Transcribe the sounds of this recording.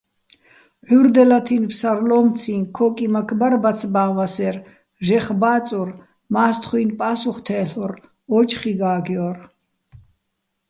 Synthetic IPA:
ħuɾd̪ɛlat̪ʰinpʰsaɾlɔmt͡sʰinkʰɔkʼimakʰbaɾbat͡sʰbaːvasɛɾ | ʒɛχbaːt͡sʼuɾ | maːst̪ʰχwinpʼasuχt̪ʰɛːɬɔɾ | ɔt͡ʃʰʼχiɡaːɡjɔr

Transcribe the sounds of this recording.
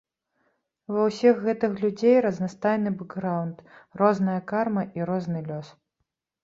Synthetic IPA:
vɐwsʲixɣɛt̪ɨxlʲud͡zʲejɾɐznast̪ajnɨbɛɡɣɾawnt̪rɔznɐjɐkarmɐʔiɾɔznɨlʲɔs

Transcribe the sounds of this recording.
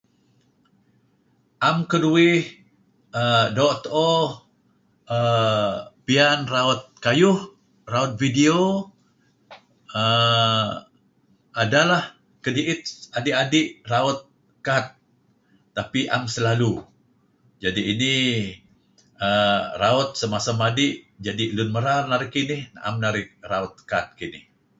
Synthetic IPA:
ʔamkəduɪh | ədɔʔt̪ɔ | ə | pianraʊt̪̚kajʊh | raʊt̪̚vidio | ə | adalah | kədiʔɪt̪̚adiʔadɪʔraʊt̪̚ | kat̪̚ː | apiʔa̰msəlalu | d͡ʒadiːni | əraʊt̪̚səmasamadɪʔ | d͡ʒadilʊnməɾarnaɾɪkinɪhnaʔa̰mnaɾɪk̚raʊt̪̚kat̪̚kinɪ̰h

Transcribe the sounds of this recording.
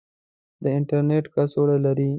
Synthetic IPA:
d̪əɪɳʈaɾneʈkasoɽalaɾi

